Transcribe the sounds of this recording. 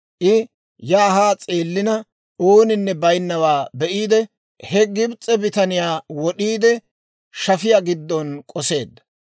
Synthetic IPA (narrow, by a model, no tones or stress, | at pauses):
ʔɪ | jaːɦaːt͡sʼeːlːɪnɐ | oːnɪnːɛbɐjnːɐwaːbɛʔiːd̪ɛ | hɛɡɪbt͡sʼːɛbɪt̪ɐnɪjaːwɔɗiːd̪ɛ | ʃɐfɪjaɡɪd̪ːɔnkʼɔse̞ːd̪ːɐ̥